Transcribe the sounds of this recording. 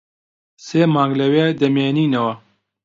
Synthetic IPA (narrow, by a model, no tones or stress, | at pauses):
seːmaːŋɡlɐweːd̪ɐmeːniːnɐwɐ